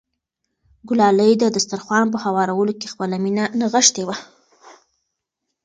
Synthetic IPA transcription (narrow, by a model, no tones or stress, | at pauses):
ɡʊlɑləjd̪əd̪ast̪aɾxwɑnp̬əhawɑɾawəlokexpəlaminanaɣəʃt̪ewa